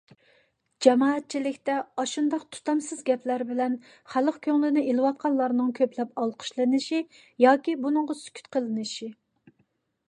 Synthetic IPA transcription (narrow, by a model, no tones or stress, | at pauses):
d͡ʒɛmɑːɛt̪̚t͡ʃʰilɪkʲt̪ɛɑʃund̪ɑqt̪ʰu̥t̪ʰɑmsɨzɡʲɛpʰlæɾbɪlɛn | χælˠəqkʲʰøŋlɪnɪʔelˠɨwɑt̪̚qʰɑnlˠɑɾnɨŋkʲʰøplɛpɑlˠqʰə̥ʃlˠɨnɪʃi | jɑːkʲibunɨŋʁɑsy̥kʲʰy̥t̪qʰəlˠɨnɨʃi